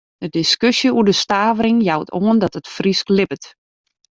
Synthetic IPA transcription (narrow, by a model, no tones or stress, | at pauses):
d̥ədɪskøsjəuədəstaːvəɾɪŋjawtʰoəndɔtətfrisklɪpət